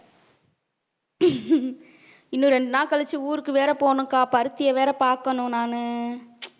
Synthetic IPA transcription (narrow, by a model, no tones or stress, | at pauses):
ɪnːũɾɛɳɖɯnaːkɐɭɐt͡ʃːɯuːɾɯkːɯʋeːɾɐpoːɳɯ̃kaːpɐɾɯt̪ːɪjɐʋeːɾɐpaːɾkɐnʊ̃naːnɯ